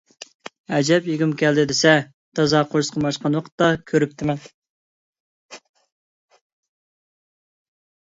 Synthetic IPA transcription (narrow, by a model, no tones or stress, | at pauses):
ɛd͡ʒɛpjiɡʲymkʲʰɛld̪ɪd̪ɪsɛ | t̪ʰɑzɑqʰoɾsqʰəmɑʃqɑnwɑqʰə̥t̪ːɑkʲʰøɾyp̚t̪ʰɪmɛn